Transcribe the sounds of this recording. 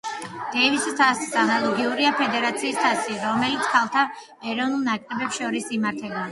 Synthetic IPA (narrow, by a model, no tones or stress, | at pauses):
d̪̥ɛvist̪ʰassanalˠɔɡiuɾiapʰɛd̪ɛɾat̪sʰiːst̪ʰasiɾɔmɛlit̪sʰkʰalˠt̪ʰa | ɛɾɔvnulˠnakʼɾɛbɛpsʃɔɾisimaɾt̪ʰɛba